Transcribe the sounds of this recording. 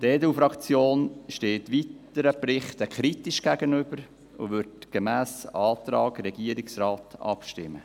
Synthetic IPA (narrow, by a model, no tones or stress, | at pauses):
d̥ɛːdufɾɑkt͡sjoːnʃteːtʋitəɾəpɾɪχt̪əkχɾitɪʃɡ̥æɡənʏb̥əɾ | ʊ̰ʋʏɾtɡ̥emæːsɑːt̪ɾɑːɡɾɛɡ̥iəɾɪksrɑːtɑ̰pʃtɪ̰mːə̰